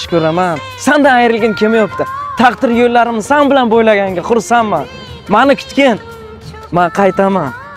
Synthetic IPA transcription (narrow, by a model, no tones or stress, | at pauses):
ʃkʲʰɵɾaman | sand̪ɑæjɾɪlɡʲeŋkʲʰe̞mejop̚t̪ɪt̪ʰɑqt̪ɪɾjolːaɾɪmzsɑnbɪlanbojlˠɑɡʲaŋɡʲeqʰʊɾsɑmːɑn | mɑnɪkʲʰʏ̥t̪kʲen | mɑqʰɑjt̪amɑn